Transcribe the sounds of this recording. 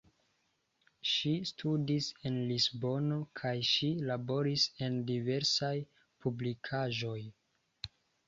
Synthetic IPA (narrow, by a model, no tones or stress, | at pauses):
ʃistʰudise̞nlisbo̞nokʰajʃilabo̞ɾise̞ndive̞ɾsaj | publikʰaʒo̞j